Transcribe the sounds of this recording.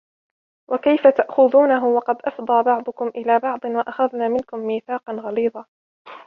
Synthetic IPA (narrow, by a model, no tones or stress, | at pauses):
wʔakajfat̪aʔxʊðuːnaɦʊwɑqɑd̪ʔɑfd̪ˤɑːbɑʕd̪ˤʊkʊmʔɪlaːbɑʕd̪ˤɨnwaʔaxaðnaːmɪnkʊmːiːθɑːqɑnɣɑliːd̪ˤɑː